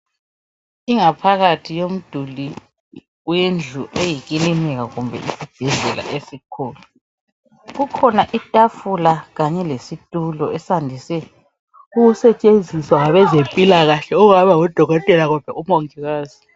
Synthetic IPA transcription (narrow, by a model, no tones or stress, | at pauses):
iŋapʰaɣatʰijom̩d̥ʱuli | wend͡ɮʱuʔejiɣilimɛɣaɣumbʱɛ̰ʔisib̥ʱɛɮɛlʔa̰ʔesikʰɔːlɔ | ɣukʰɔnaʔitʼafulaɣaɲɛlesitʼulɔɛsandʱisɛ | uɣusɛt͡ʃʼend͡zʱiswaŋaβɛzempʼilaɣaɬɛuɣaβaud̥ʱɔɣɔtʼɛlaɣɔd̥ʱwɛʔumoŋiɣaːzi